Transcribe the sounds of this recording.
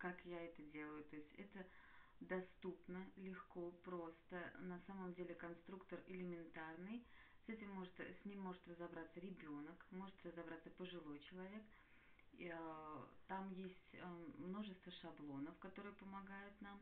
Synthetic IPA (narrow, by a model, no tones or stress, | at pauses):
kakjaɛt̪ədʲe̞lˠəjʊt̪o̞ɪsʲtʲɛ̰t̪ə | d̪ɐst̪upnəlʲɪxko̞pɾo̞st̪ənɐsaməmdʲelʲɪkɐnst̪ɾukt̪ərɪlʲɪmʲɪnt̪arnɨjsɛtʲɪmːo̞ʐɨt̪sʲnʲimʲːo̞ʐɨt̪rəzɐbɾat̪səɾʲɪbʲo̞nəkmo̞ʐɨt̪rəzɐbɾat̪səpəʐɨlˠo̞jt͡ɕɪlˠɐvʲe̞k | t̪amjesʲtʲmːno̞ʐɨst̪vəʂɐblˠo̞nəfkɐt̪o̞ɾɨjəpəmɐɡajʊt̪nam